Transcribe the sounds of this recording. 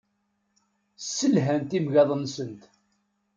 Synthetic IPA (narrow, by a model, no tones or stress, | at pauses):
sːəlɦænt̪imʝɑðˤənsənt̪